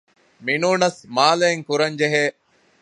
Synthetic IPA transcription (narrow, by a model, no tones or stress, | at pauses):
minuːnɐsmaːleːŋkuɾɐɲd͡ʒeɦeː